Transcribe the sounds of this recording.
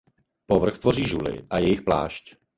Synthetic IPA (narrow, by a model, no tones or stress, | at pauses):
povr̩xt̪vo̞riːʒulɪ̰ʔajɛjɪxpla̰ːʃc